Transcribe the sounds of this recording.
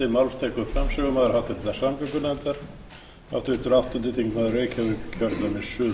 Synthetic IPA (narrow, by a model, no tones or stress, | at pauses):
ɪmawlst̪ʰɛːkʏðfɾamsʏɣʏmaːðɪɾhawt̪ɪɾɛt̪ḁsampʏkʏnɛnt̪aɾ̥ | a̰ft̪vɪt̪ʏɾawft̪ʏnt̪ɪt̪ʰiŋkmaðreːjcʰavʏɾcʰœɾt̪amɪsʏ